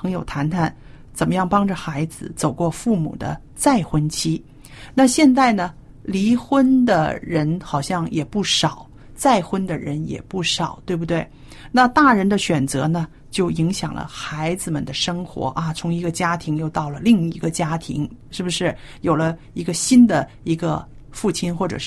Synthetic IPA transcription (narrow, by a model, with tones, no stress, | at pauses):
ɤ˧˥ŋjo˨˩ʊt̪ʰa˧˥nt̪ʰa˥˩n | t͡sə˨˩nmə˦jɑ˥˩ŋpɑ˥ŋʈ͡ʂə˨xa˧˥ɪd͡zɹ̩˧t͡so˨˩ʊkwɔ˥˧fu˥˩mṵ˨˩d̪ə̰˦ | t͡sa˥˩ɪxwə˥nt͡ɕʰi˥ | na˥˧ɕjɛ˥˧nt͡sa˥˩ɪnə˩ | li˧˥xwə˥nd̪ə̰˨ɻə˧˥nxɑ˨˩ʊɕjɑ˥˩ŋjɛ˨˩pu˥˩ʂɑ˨˩˦ʊ | t͡sa˥˩ɪxwə˥nd̪ə˨ɻə˧˥njɛ̰˨˩pu˥˩ʂɑ˨˩ʊt̪we˥˩bu˩t̪we˥˩ɪ | na˥˧t̪a˥˩ɻə˧˥nd̪ə˧ɕɥɛ˨˩nt͡sɤ̰˧˥nə˧ | t͡ɕjo˥˩ʊi˧˥ŋɕjɑ˨˩ŋlə̰˦xa˧˥ɪd͡zɹ̩˧mə˨nd̪ə˦ʂɤ˥ŋxwɔ̰˧˥ʔa˧t͡sʰʊ˧˥ŋi˧˥ɡə˧t͡ɕja˥t̪ʰi˧˥ŋjo˥˧ʊt̪ɑ˥˩ʊlə˩li˥˩ŋi˧˥ɡə˧t͡ɕja˥t̪ʰḭ˧˥ŋʂɻ̩˥˩bu˩ʂɻ̩˥˩jo˨˩ʊlə˦ | i˧˥ɡə˧ɕi˥nd̪ə˨ | i˧˥ɡə̰˧ | fu˥˩t͡ɕʰi˥nxwɔ˥˩ʈ͡ʂɤ̰˨˩˥